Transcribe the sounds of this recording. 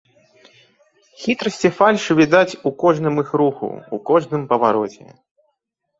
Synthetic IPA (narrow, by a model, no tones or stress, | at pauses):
xʲit̪ɾɐsʲt͡sʲɛfalʲʂɨvʲid̪at͡sʲukɔʐn̪ɨmixɾuxṵukɔʐnɨmpɐvaɾɔt͡sʲɛ̰